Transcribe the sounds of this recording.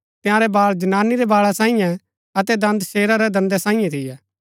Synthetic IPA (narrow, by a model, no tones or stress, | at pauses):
t̪ɪjãːɾɛbaːld͡ʒɐnaːnːiɾɛbaːɭasãːĩjɛ̃ | ɐt̪ɛd̪ɐ̃nd̪ʃeːɾaɾɛd̪ɐ̃nd̪ɛsãːĩjãt̪ʰɪjɛː